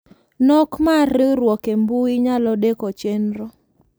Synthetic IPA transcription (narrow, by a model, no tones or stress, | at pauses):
nɔkmariɾwɔkembuiɲalɔɗɛkɔt͡ʃɛnɾɔ